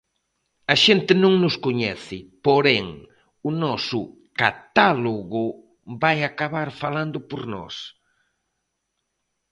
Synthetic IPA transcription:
ɐʃent̪ɪnõŋnʊskoɲɛθɪpoɾɛŋ | ʊnɔsʊ | kat̪aloɣʊ | bajakaβaɾfaland̪ʊpoɾnɔ̰s

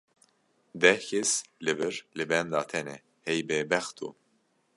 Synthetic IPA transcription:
d̪ɛhkʰeslɨvɨɾlɨbɛnd̪ɑːt̪ʰɛnɛ̰ | hɛjbɛbɛxt̪ʰṵ

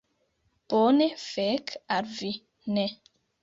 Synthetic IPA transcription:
b̥onefɛkaɾvi | nɛ

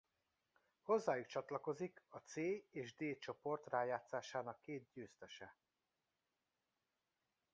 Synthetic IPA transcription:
ho̞zːaːjukt͡ʃɒt̪lɒko̞zikɒt̪seːeːʒd̪eːt͡ʃo̞po̞rt̪raːjaːt̪saːʃaːnɒkːeːt̪̚ɟøːst̪ɛʃɛ

